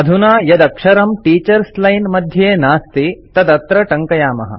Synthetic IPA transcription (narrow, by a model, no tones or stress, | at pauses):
ɐd̪ʱunaːjɐd̪ɐkʂɐɾɐmʈiːt͡ʃɐɾslɐjnmɐd̪ʱjeːnaːst̪it̪ɐd̪ɐt̪ɾɐʈɐŋkɐjaːmɐ̰ɦɐ̰̆